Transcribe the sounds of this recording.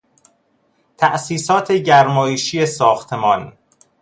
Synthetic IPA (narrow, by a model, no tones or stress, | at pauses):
t̪ʰæʔsiːsɒːt̪ʰeɟæɾmɒːjeʃiːjesɒːxt̪ʰemɒːn